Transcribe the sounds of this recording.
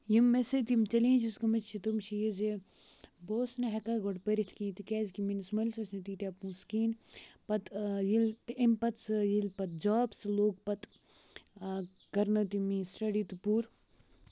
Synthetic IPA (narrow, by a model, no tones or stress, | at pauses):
jimːeset̪imt͡ʃɐlẽːt͡ʃʰuskɐmɐt͡ʃt͡ʃʰit̪umʃʰijize | boːsnɐɦɐkaːɡoɽpəɾit̪ʰkĩːt̪ikeːzkiminsmɐlʲsɐsnɐt̪it̪ʲapũskiːnpɐt̪jilt̪impɐt̪sɨjilpɐt̪̚d͡ʒaːbsɨloːɡ̚pɐt̪ | kɐɾnɐt̪imĩːsʈɐɽiːt̪upuːɾ